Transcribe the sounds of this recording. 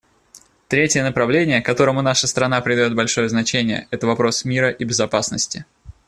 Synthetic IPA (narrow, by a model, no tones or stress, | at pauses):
t̪ɾʲetʲɪjənəpɾɐvlʲenʲɪjəkɐt̪o̞ɾəmʊnaʂəst̪ɾɐnapɾʲɪd̪ɐjʲot̪bɐlʲʂo̞jəznɐt͡ɕenʲɪjə̰ɛt̪əvɐpɾo̞smʲiɾəʔibʲɪzɐpasnəsʲtʲɪ